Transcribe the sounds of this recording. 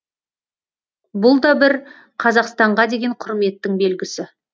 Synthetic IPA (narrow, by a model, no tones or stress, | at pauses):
bʊlˠd̪ɑbɪɾ | qʰɑzɑqst̪ɑɴʁɑd̪e̞ɡʲe̞ɴqʰʊɾme̞t̪ːɪŋbe̞lɡʲɪsɪ